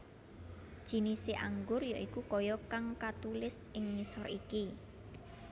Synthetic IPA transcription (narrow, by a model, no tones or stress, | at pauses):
d̥ʒ̥i̤niseʔaŋɡʊrjoʔikukɔjɔkaŋkat̪ulɪsɪŋːisɔriki